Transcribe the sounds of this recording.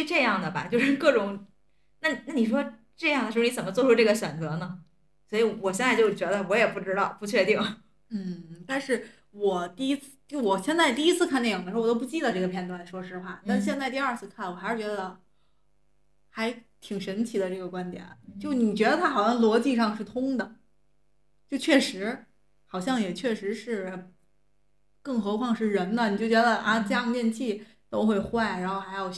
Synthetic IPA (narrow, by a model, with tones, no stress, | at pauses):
ʈ͡ʂɤ˥˧jɑ˥˩ŋd̪ə˩bɐ̰˩t͡ɕjo˥˧ʊʂɻ̩˥˧kɤ˥˩ʈ͡ʂʊ˧˥˦ŋ | na˥˩˨na˥˩ni˨˩ʂ̬wɔ˥ | ʈ͡ʂɤ˥˧jɑ˥˩ŋd̪ə˩ʂɻ̩˧˥˧ni˥t͡sə˨˩nmə˦t͡swɔ˥˧˩ʈ͡ʂʰu˥ʈ͡ʂɤ˥˩ɡə˩ɕɥɛ˨˩nt͡sɤ˧˥nə˧ | swɔ˧˥i˧˥wɔ˨˩ɕjɛ˥˧nt͡sa˥˧ɪt͡ɕjo˥˩ʊt͡ɕɥɛ˧˥d̪ə˧wɔ˧˥jɛ˨˩pu˥˩ʈ͡ʂɻ̩˥t̪ɑ˥˩ʊpu˥˩t͡ɕʰɥɛ˥˧t̪i˥˩ŋ | n̩˥˩t̪a˥˧nʂɻ̩˥˩ | wɔ˨˩t̪i˥˩i˥t͡s̩ʰ˥˩t͡ɕjo˥˩wɔ˨˩ɕjɛ˥˧nt͡sa˥˧ɪt̪i˥˧i˥t͡sʰɹ̩˥˧kʰa˥˧ne˥˩jɑ˨˩d̪ə˩˧˥wto˥p̬t͡ɕi˥˩d̪ə˩ʈ͡ʂɤ˥˩ɡə˩pʰjɛ˥˧nt̪wa˥˩nʂwɔ˥ʂɻ̩˥˧pʰa˥˩t̪a˥˧ɻ̩˥˩ɕjɛ˥˧nt͡sa˥˧ɪt̪̬i˧a˞˥˧t͡sʰɹ̩˥˧kʰa˥˩nwɔ˨˩xɪʂɻ̩˥˩t͡ɕɥɛ˧˥d̪ə˧ | xa˧˥ɪt̪ʰi˨˩ŋʂə˧˥nt͡ɕʰi˨˩d̪ə˦ʈ͡ʂɤ˥˩ɡə˩kwa˥nt̪jɛ̰˨˩˦nt͡ɕjo˥˧ʊ˧ni˨˩t͡ɕɥɛ˧˥d̪ə˧t̪ʰa˥xɑ˨˩ʊɕjɑ˥˩ŋlwɔ˧˥t͡ɕi˥˧ʂɑ˥˧ŋʂɻ̩˥˩t̪ʰʊ˥ŋd̪ə˨ | t͡ɕjo˥˧ʊt͡ɕʰɥɛ˥˩ʂɻ̩˧˥ | xɑ˨˩ʊɕ̬jɑ˥˩ŋjɛ˨˩t͡ɕʰɥɛ˥˩ʂɻ̩˧˥ʂɻ̩˥˩ | kɤ˥˩ŋxɤ˧˥kʰwɑ˥˧ŋʂɻ̩˥˩ɻə˧˥nnə˧˨ni˨˩t͡ɕjo˥˩ʊt͡ɕɥɛ˧˥d̪ə˧ʔa˥˧t͡ɕɤ˥˧jɑ˥˧ŋt̪jɛ˥˧nt͡ɕʰi˥˩ | t̪o˥ʊxwe˥˧ɪxwa˥˩ɪɻa˧˥nxo˥˧ʊxa˧˥ɪjo˨˩ʊ